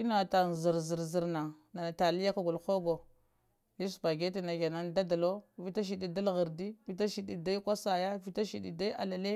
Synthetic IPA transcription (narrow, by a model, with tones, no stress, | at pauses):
i˦na˨ta˨n˨zi˨ɾzi˨ɾzi˨ɾna˨ | na˨na˨ta˨li˦ja˦ka˦ɡu˨lxo˦ɡo˨ | ji˦su˨ba˨ɡe˦t̬i˨na˨ɡa˨na˦n˦da˦da˨lo˦vi˦ta˦ʃ̬i˨ɗi˨da˦lɣə˨ɾdi˦vi˦ta˦ʃi˨ɗi˨da˦i˦kʷa˦sa˨ja˦vi˦ta˦ʃi˨ɗi˨da˦a̰˨la˨le˦